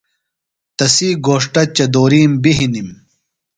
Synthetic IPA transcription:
t̪ɐsiːɡoːʂʈɐt͡ɕɐd̪oːɾiːmbiɦinim

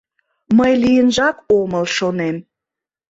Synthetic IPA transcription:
məjlijənʒɑkoməlʃonem

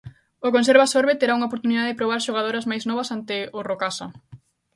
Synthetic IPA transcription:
okonseɾβasoɾβet̪eɾauŋaop̬oɾt̪uniðaðepɾoβaɾʃoɣ̞að̞oɾɐzmajznɔβɐsant̪ɪorokasɐ̰

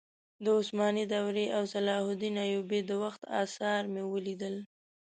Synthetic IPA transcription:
d̪əʊsmɑnid̪awɾeʔawsalɑhʊd̪inɑjubed̪əwaxt̪ɑ̰sɑɾmewəlid̪əl

